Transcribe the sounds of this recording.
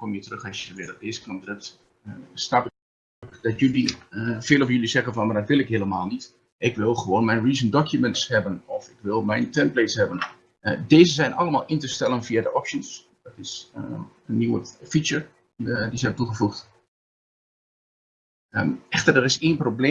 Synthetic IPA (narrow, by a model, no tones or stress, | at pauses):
kɔmjətərøxasjəəʋɪdədeːzə̥knɔmdrəp̚t | snapɪ | kd̥ɔtjylifɪːlˠovfjølizɛɣənfɔnmadɔtʋɪlˠɪkɦeːlˠəmaːlˠnit | ʔɪkʋɪlˠχəʋoːnmɛjnriːzəndɔkʰjumɛntshɛbənɔfɪkʋɪlˠmɛjntʰɛnpletshɛbən | deːzəzɛjnʔɑ̰lˠəmaːlˠɪntəstɛlˠənfiadəʔɔpʃəns | d̥ɔtɪs | ənːiwəfit͡ʃəɹ | iədizɛbətuχəfuxt | əɛxtərdərɪseːnproble